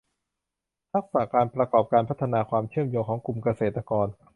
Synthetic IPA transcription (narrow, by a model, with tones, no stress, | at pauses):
t̪ʰa˦˥k̚sa˨˩kaː˧npɾa˧kɔː˨˩p̚kaː˧npʰa˦˥t̪ʰːa˧naː˧kʰwaː˧mt͡ɕʰɯ˥˩əmjoː˧ŋkʰɔː˩˦ŋku˧˩mka˧seː˨˩t̪ːɾa˧kɔː˧n